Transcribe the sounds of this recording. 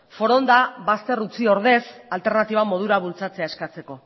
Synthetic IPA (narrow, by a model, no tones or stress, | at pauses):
fo̞ɾo̞nd̪aβast̪e̞rut͡sio̞ɾðe̞salt̪e̞ɾnat̪iβ̞amo̞ð̞uɾaβult͡sat͡se̞ae̞skat͡se̞ko̞